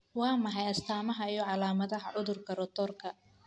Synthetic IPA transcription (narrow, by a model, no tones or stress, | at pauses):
wɑːmɐħɑjɐst̪ʰaːmɐɦɐijɔʕɑlaːmɐðɐɦɐʕʊðʊrkʰɐɾɔt̪ʰɔːrkʰɐ